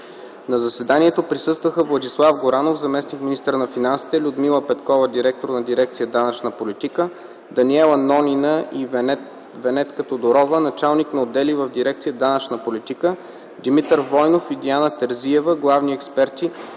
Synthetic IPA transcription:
nɐzɐsɛd̪aniɛt̪opɾisɤst̪vəxəvlˠɐd̪islˠafɡoɾanofzɐmɛsnikmʲinist̪əɾnɐfinansi̥t̪ɛlʲʊd̪milˠəpɛt̪kɔvəd̪iɾɛk̚t̪oɾnɐd̪iɾɛk̚t̪sijəd̪anət͡ʃnəpolit̪ikə | d̪ɐnʲiɛlˠɐnɔnʲinəʔiv | vɛnɛt̪kət̪od̪oɾɔvənɐt͡ʃalˠniknɐod̪ɛlivəvd̪iɾɛk̚t̪sijəd̪anət͡ʃnəpolit̪ikə | d̪imit̪əɾvɔjnofid̪ianət̪ɛɾziɛvəɡlˠavniɛkspɛɾt̪i

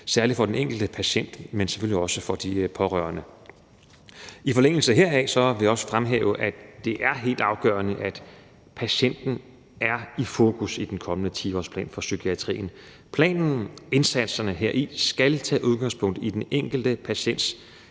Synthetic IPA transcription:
sæɐlid̥fɒ̽d̥eneŋ̰ɡ̥l̩d̥əpʰæɕen̰d̥mense̥føl̰iɒ̽səfɒ̽d̥ipʰɒ̽ʁœɐnə | ifɒ̽leŋ̰l̩səɦe̝ɐɛsɒ̽ʋe̝jɒ̽sə̥fʁamɦḛːʊəʔæd̥e̝ʔæɐɦe̝̰ːld̥ɑ̈ʊɡ̥ɶ̰ːɐnəʔæd̥ | pʰæɕen̰d̥n̩ | ʔæɐifo̝ːkʰusid̥enkʰɒ̽mənət͡sʰḭːɒ̰spʰlɛ̰ːnfɒ̽sykʰiæt͡sʰʁḭːn̩ | pʰlɛ̰ːnn̩e̝nsæd̥sɐnəɦe̝ɐ̰ʔisɡ̥ælt͡sʰɛ̰ːʔuð̞ˠɡ̥ɑ̈ŋspʰɔ̽ŋ̰d̥id̥eneŋ̰ɡ̥l̩d̥əpʰæɕen̰d̥s

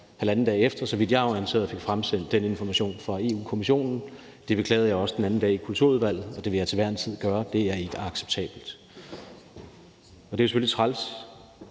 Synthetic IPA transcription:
hælænn̩dɛ̰ːefd̥ɐsɒ̽ʋid̥jɑ̈ɪæŋse̝̰ːɐð̩ˠfe̝ɡ̥fʁamsen̰d̥d̥ene̝nfɒmæɕo̝̰ːnfʁɑ̈e̝ːṵːkʰo̝miɕo̝̰ːnn̩ | d̥e̝b̥e̝kʰlɛ̰ːð̩jɑ̈ɪɒ̽səd̥enænn̩d̥ɛ̰ːikʰult͡sʰṵɐuðˠʋæl̰ð̩ˠɒ̽d̥e̝ʋe̝jɑ̈ɪt͡sʰe̝ʋæɐ̰nt͡sʰið̞̰ˠɡ̥ɶːɐd̥e̝æɐe̝ɡ̥əɑ̈ɡ̥se̥b̥̚t͡sʰɛ̰ːb̥l̩d̥ | ɒ̽d̥e̝ʊse̥følit͡sʰʁɑls

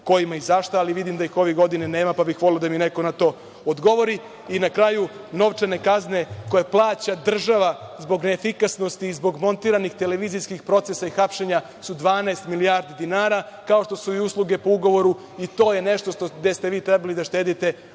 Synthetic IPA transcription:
ko̞jimaizaʃt̪aaliʋid̪imd̪aixo̞ʋeɡo̞d̪inene̞ːmapabixʋo̞lelod̪amineko̞nat̪o̞ː | od̪ɡo̞ʋo̞ɾi | inakɾaju | no̞ʋt͡ʂane̞kazne̞ko̞jeplˠaːt͡ɕad̪r̩ʒaʋazbo̞ɡneːfikasno̞st̪iːzbo̞ɡmo̞nt̪iːɾanixt̪eleʋiːzijskixpɾo̞t̪sesaixapʃe̞ɲa | sud̪ʋaːnaːst̪miliaɾd̪id̪inaːɾakao̞ʃt̪o̞suiuslˠuɡe̞po̞uɡo̞ʋo̞ɾu | it̪o̞ːje̞ne̞ʃt̪o̞ʃt̪od̪est̪eʋiːt̪ɾɛbalid̪aʃt̪e̞ːd̪it̪e̞

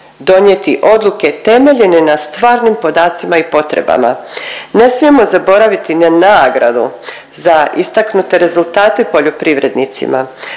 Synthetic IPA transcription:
d̪o̞njet̪iʔo̞d̪luke̞t̪e̞me̞ʎe̞ne̞nast̪ʋaːɾnimpo̞d̪aːt̪simaipo̞t̪ɾe̞̰ba̰ma̰ne̞smije̞mo̞zabo̞ɾaʋit̪inanaːɡɾa̰d̪ṵ | zaist̪aknut̪e̞ɾe̞zulˠt̪aːt̪e̞po̞ʎopɾiʋɾe̞d̪nit̪sḭma̰

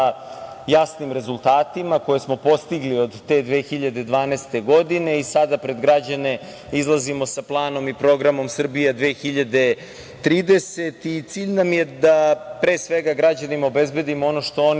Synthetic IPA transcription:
jasnimɾe̞zulˠt̪aːt̪imako̞jesmo̞po̞st̪iɡlio̞d̪ːe̞d̪ʋexiʎad̪e̞d̪ʋaːneːst̪e̞ɡo̞d̪ine̞isad̪apɾe̞d̪ɡɾad͡ʑane̞ | izlˠazimo̞saplˠaːno̞mipɾo̞ɡɾamo̞msr̩bijed̪ʋeːxiʎad̪e̞ | t̪ɾiːd̪e̞se̞t̪it̪siːʎnamjed̪apɾe̞ːsʋe̞ɡaɡɾad͡ʑanimaobe̞zbe̞d̪imoo̞no̞ʃt̪o̞on

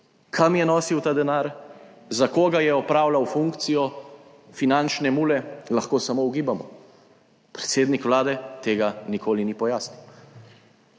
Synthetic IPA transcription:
kʰamjɛnɔsiwt̪aːd̪ɛnaːɾzakoːɡajɛɔpɾaːwlawfuŋkt̪sijɔ | finant͡ʃnɛmuːlɛlaxkoːsamouɡiːbamɔ̰ | pɾɛ̥t̪seːd̪nikʋlaːd̪ɛt̪eːɡanikʰoːlinipɔjaːsniw

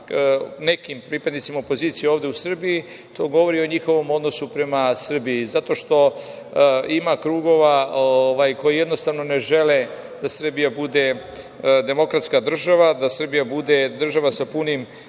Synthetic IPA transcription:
ne̞kimpɾiːpad̪nit̪simaopo̞ziːt̪sijeo̞ːʋd̪eusr̩biji | t̪ʰo̞ːɡo̞ʋo̞ɾio̞ɲixo̞ʋo̞mo̞d̪nosupɾe̞masr̩biizat̪o̞ʃt̪o̞ | imakɾuːɡo̞ʋaoʋajko̞jije̞d̪no̞st̪aːʋno̞ne̞ʒe̞le | d̪asr̩bijabud̪e̞ | d̪e̞mo̞kɾat̪skad̪r̩ʒaʋad̪asr̩bijabud̪e̞d̪r̩ʒaʋasapunim

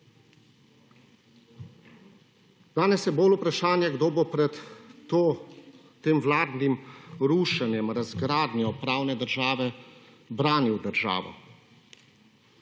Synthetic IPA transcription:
d̪̥aːnɛsjɛbolupɾaʃaːnjɛɡd̪oːbopɾɛt̪o | t̪eːmwlaːd̪nimɾuːʃanjɛmɾazɡɾaːd̪njɔpɾaːwnɛd̪əɾʒaːʋɛ | bɾaːniwd̪əɾʒa̰ːʋɔ̰

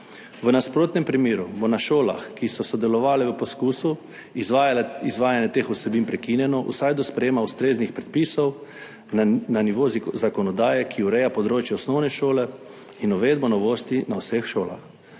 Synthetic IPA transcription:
ʋənaspɾoːt̪nɛmpɾimiːɾubonaʃoːla̰xkisɔsɔd̪ɛlɔʋaːlɛʋəpɔskuːsu | izʋaːjanjɛt̪eːxusɛbiːnpɾɛkiːnjɛnɔʔṵsajd̪ɔspɾɛjeːmaust̪ɾeːznixpɾɛt̪̚piːsɔw | naniʋoːzzakɔnɔd̪aːjɛkʰiuɾɛjapɔd̪ɾoːt͡ʃjɛɔsnɔwnɛʃoːlɛ | inɔʋeːd̪̚bɔnɔʋoːst̪inawsexʃoːla̰x

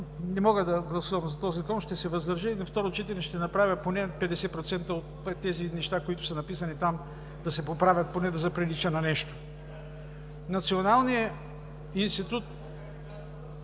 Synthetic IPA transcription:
nɛmɔɡəd̪ɐɡlˠɐsuvɐmzɐt̪ɔzikɔnʃt̪ɛsɛvɐzd̪ɐɾʒəinɐft̪ɔɾot͡ʃɛt̪ɛnɛʃt̪ɛnɐpɾavʲəponɛpɛd̪ɛsɛpɾot̪sɛnt̪əot̪ɛt̪ːɛzinɛʃt̪akoit̪ʊ̥sɐnɐpisɐnit̪am | d̪ɐsɛpopɾavʲɐt̪̚ponɛd̪ɐzɐpɾɛlit͡ʃənɐnɛʃt̪o̥ | nɐt̪sionalˠnijə | inst̪it̪ut̪

